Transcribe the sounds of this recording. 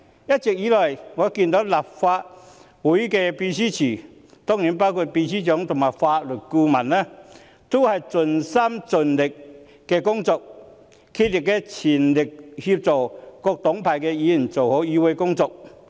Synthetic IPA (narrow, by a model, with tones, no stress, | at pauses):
ja˦˥t̚t͡ɕk̚jiː˨˥lɔ˨˩jŋɔ˨˧ki˧˩nt̪o˨˥la˨˩p̚fa˧t̚ | wu˨˦jkɛ˧pi˧si˦˥t͡ɕʰiː˨˩ | t̪ɔ˥ŋni˨˦npa˥wkʰu˧˩t̚pi˧siː˦˥t͡ɕɔ˨˦ŋt̪ʊ˨˩ŋa˨˩p̚fa˧t̚lu˨˩tku˧mã˨˩nːə˧˦ | t̪u˦˥hɐ˨jt͡sʊ˨˩nsa˥mt͡sʊ˨˩nlɪ˨˩k̚ː | ɛ˧kʊ˥ŋt͡sɔ˧k̚ | kʰi˧˥li˨˩kːɛ˧t͡ɕʰi˨˩nlɪ˨˩k̚hi˧p̚t͡sɔ˨˩kɔ˧k̚t̪ʊ˨˦ŋpʰa˨˩jkɛ˧iː˨˦˨nt͡so˨˩who˨˦wiː˧˥we˧˦kʊ˥ŋt͡sɔ˧k̚